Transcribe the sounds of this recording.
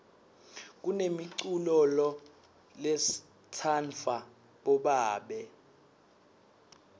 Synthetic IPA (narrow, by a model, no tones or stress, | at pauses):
k̬unemiǀulɔlɔ | les | tʰanfa | ɓɔɓaːɓɛ